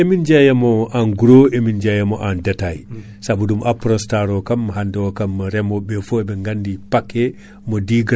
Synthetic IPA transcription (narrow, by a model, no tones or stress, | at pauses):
emind͡ʒajamɔanɡuɾoemind͡ʒajamɔʔandataj | sabudumʔapɾɔnstaɾɔkamːaɦandɛɔkamːaɾɛmɔbɛfɔɛbɛŋɡandipakːɛ | mɔdiɡ